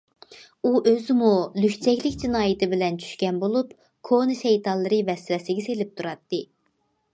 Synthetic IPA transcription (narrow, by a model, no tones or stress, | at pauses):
uʔøzɪmulykʲt͡ʃʰɛkʲlɪkʲd͡ʒinɑːjɪt̪ʰɪbɪlɛnt͡ʃʰy̥ʃkʲɛnbolˠup | kʰonɨʃɛjt̪ʰɑlˠːɨɾɨvɛsɾɛsɪɡʲɛselɪp̚t̪ʰuɾɑt̪ːɨ